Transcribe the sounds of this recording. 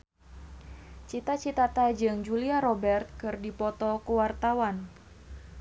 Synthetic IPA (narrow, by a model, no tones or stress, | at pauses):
t͡ʃit̪at͡ʃit̪at̪ad͡ʒɨŋd͡ʒuliaɾɔbɛrt̪̚kɨrdipɔt̪ɔkuwart̪awan